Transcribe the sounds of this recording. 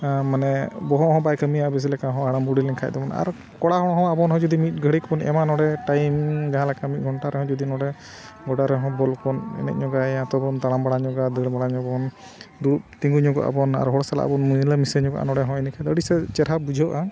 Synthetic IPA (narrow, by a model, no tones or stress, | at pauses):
manɛbɔɦɔ̃ɦɔ̃bajkəmiabɛs̬ilɛkaɦɔ̃aɽamuɽilɛnkʰa̰c̚d̪ɔbɔna̰ɾ | kɔɽaɦɔɽɔɦɔ̃abɔnɦɔ̃d͡ʒɔd̪imit̪̚ˀɡʱəɽikbɔnɛ̰manɔɽɛʈajmid͡ʒaɦãlɛkamit̪̚ˀɡʱɔɳʈaɾɛɦɔ̃d͡ʒɔd̪inɔɽɛ | ɡɔɖaɾɛɦɔ̃bɔlkɔnɛ̰nɛ̰ʔ̚ɲɔɡaãt̪ɔbɔnt̪aɽambaɽaɲɔɡad̪əɽbaɽaɲɔbɔn | d̪utt̪iŋɡuɲɔɡɔ̰ʔa̰bɔna̰ɾɦɔɽɔsala̰ʔa̰bɔnmujlamisɛɲɔɡɔ̰ʔa̰nɔɽɛɦɔ̃inikʰad̪əɽisɛt͡ʃɛɾɦabud͡ʒʱɔʔa